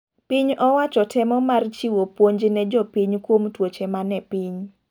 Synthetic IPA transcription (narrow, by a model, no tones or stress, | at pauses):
piɲɔwat͡ʃɔtʰɛmɔmart͡ʃiwopwoɲd͡ʒnɛd͡ʒɔpiɲkwomtwot͡ʃemanɛpiɲ